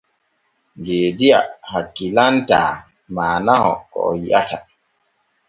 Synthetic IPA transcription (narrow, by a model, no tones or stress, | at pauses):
deːdiahakːilanta | maːnahɔ̰kɔ̰ɔjiʔata